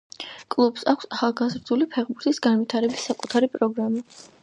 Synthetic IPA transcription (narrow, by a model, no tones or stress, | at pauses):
kʼlˠubsakʰsaχalˠɡazɾd̪ulipʰɛχbuɾt̪ʰʼisɡanvit̪ʰaɾɛbisːakʼut̪ʰaɾipʼɾɔɡɾama